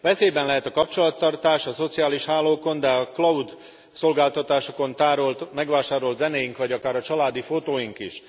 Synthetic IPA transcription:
vɛseːbɛnlɛɦɛt̪ɒkɒp̚t͡ʃo̞lɒt̪ːɒrt̪aːʃɒso̞t̪sijaːliʃhaːlːoːko̞nd̪ɛɒklɒud̪ | so̞lɡaːlt̪ɒt̪aːʃo̞ko̞nt̪aːɾo̞lt̪mɛɡʋaːʃaːɾo̞lt̪zɛneːjiŋkʋɒɟɒkaːɾɒt͡ʃɒlaːd̪ifot̪oːjiŋkiʃ

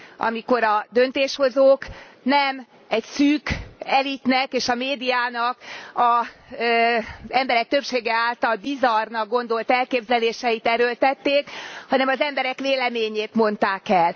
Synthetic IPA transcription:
ʔɒ̰miko̞ɾɒd̪ønt̪eːʃho̞zoːk | nɛm | ɛcsyːkɛlit̪nɛkeːʃɒmeːd̪ijaːnɒkɒ | zɛmbɛɾɛk̚t̪ø̞pʃeːɡɛaːlt̪ɒlbizɒrnɒɡɡo̞n̪d̪o̞lt̪ɛlkeːbzɛleːʃɛjit̪ɛɾølt̪ɛt̪ːeːkhɒnɛmɒzɛmbɛɾɛkʋeːlɛmeːɲeːt̪mo̞nt̪aːkɛl

